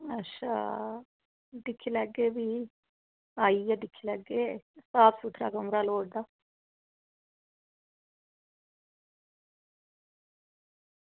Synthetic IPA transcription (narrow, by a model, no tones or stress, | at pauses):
ɐʃa̰ | ɖikʰːilɐɡːeʋi | ɐjɐɖikʰːilɐɡːesaːpsuʈ̪ʰɾa̰ːɡɐmɾaːloːɖd̪a